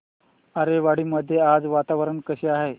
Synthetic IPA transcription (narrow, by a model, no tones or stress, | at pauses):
əɾeʋaɽ̤iːməd̪ʱːjead͡zʋat̪aʋəɾəɳkəɕeaɦe